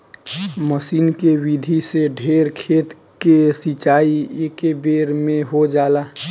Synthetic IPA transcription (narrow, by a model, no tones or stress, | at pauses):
məsiːnkewid̪ʱiseɖʱeːɾkʰeːt̪ | kesit͡ʃaːiekebeɾmẽɦod͡ʒaːlaː